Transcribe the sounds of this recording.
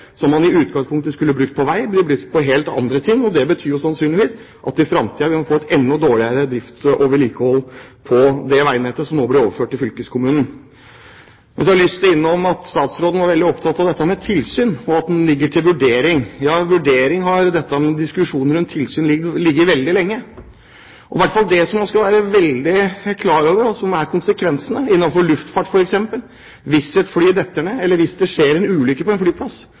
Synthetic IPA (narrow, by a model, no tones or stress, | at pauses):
sɔmːɑnɪʉːt̪̚ɡɑŋspʰʊŋk̚t̪əskʉlːəbɾʉk̚t̪̚pʰɔʋæɪblɪbɾʉkt̪̚pʰɔɦeːlt̪ɑ̰nd̪ɾət̪ʰɪŋːɔd̪ɛbət̪ʰyːɾjʊsɑnsyːnɪʋiːs | ʔɑt̪ɪfɾɑmt̪ʰiːɑʋɪmɑnfoːɛt̪ɛnːɔd̪oːɭɪəɾəd̪ɾɪft̪ʔoːʋəɭiːkəhɔlːpʰɔd̪ɛʋæɪnɛt̪ːəsɔmnoːblɪɾoːʋəføːʈːɪfʏlkəskʰʊmʉːnən̩ | mɛnsɔɑlʏst̪əɪnːəɔmɑt̪st̪ɑːt̪sɾoːd̪nəʋɑɾʋɛld̪ɪɔpt̪ʰɑt̪ːɑʋd̪ɛt̪ːəmɛt̪ʰɪlsyːnɔɑt̪̚d̪n̩lɪɡːəʈʰɪlʋʉɖeːɾɪŋjɑːʋʉɖeːɾɪŋɦɑɾd̪ɛt̪ːəmɛd̪ɪskʉʂuːnəɾʉnt̪ʰːɪlsyːnlɪlɪɡːəɾʋɛld̪ɪlɛŋːə | ʔɔʋæʈːfɑld̪ɛsɔmnɔskɑʋæːɾəʋɛld̪ɪkʰlɑːɾoːʋəɾɔsɔmæɾkʰʊnsəkʰʋɛnsənəɪnːɑnfɔɭʉft̪fɑʈːfɔɾɛksɛmpəl | ʋɪsɛt̪flyːd̪ɛt̪ːəɳəɛlːəɾʋɪsd̪ɛʂeːɾɛnʉːlʏkːəpɔɛnflyːpʰlɑs